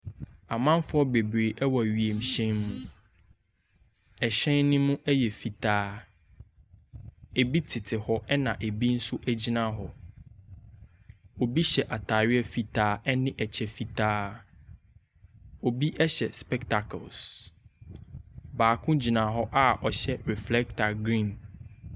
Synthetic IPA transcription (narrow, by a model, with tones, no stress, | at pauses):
a˨mã˦nfʊ˦ɔ˦be˨bɾe˨ʔɛ˦wɔ˨ɥi˨e˨m̩˨ɕɛ̃˦nmũ˦ | ɛ˨ɕɛ̃˦nːɪ̃˦mũ˦ʔɛ˦jɛ˨fi˨tʰaː˦ | e˨bi˦tʰɪ˨tʰɪ˨hɔ˦ʔɛ˦nã˨ʔe˨bi˦n̩˦sʊ˦ʔæ˦d͡ʑi˦nã˦ɦɔ˨ | o˨bi˦ɕɛ˨ʔa˨tʰa˨ɥɪ˦ɛ˦fi˨tʰaː˦ɛ˦nɪ̃˦ʔɛ˨t͡ɕʰɛ˨fi˨tʰaː˦ | o˨bi˦ʔɛ˦ɕɛ˨spɛ˦kta˨kʰɔ̰˨ls | baː˨kʰʊ̃˦d͡ʑi˨nã˨ɦɔ˦ʔa˦ʔɔ˨ɕɛ˦ɹɛ˨flɛ˦k̚tʰa˨ɡɾĩ˦˨n